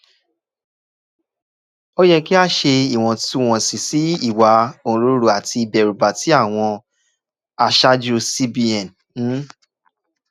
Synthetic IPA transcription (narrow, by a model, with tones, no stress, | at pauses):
o˦jɛ˦ki˦a˦ʃe˧i˨w̃ɔ̃˧tu˦w̃ɔ̃˧si˨si˨˦i˦˨wa˧˦õ˦˧ɾo˦ɾu˨˧a˨ti˧i˨bɛ˨ɾu˨ba˨ti˨˦a˦˨w̃ɔ̃˧ | a˧ʃa˦d͡ʒu˦˧si˦bi˧ɛ̃˨n̩˨˦